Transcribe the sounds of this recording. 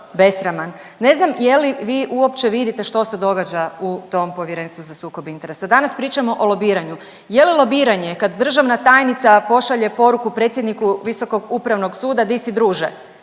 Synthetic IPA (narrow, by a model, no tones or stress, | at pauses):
be̞sɾamanː | e̞znamje̞liʋiːʔuo̞pt͡ʃeʋid̪it̪e̞ʃt̪o̞sed̪o̞ɡad͡ʒaut̪o̞mpo̞ʋjeɾeːnst̪ʋuzasuːko̞bint̪e̞ɾe̞sad̪anaspɾiːt͡ʃamo̞ʔolo̞biːɾaɲu | je̞lilˠo̞biːɾaɲe̞kad̪d̪r̩ʒaʋnat̪ajnit̪sapo̞ʃaʎe̞po̞ɾukupɾet̪sjed̪nikuʋiso̞ko̞ɡupɾaʋno̞ɡsuːd̪ad̪isid̪ɾuːʒe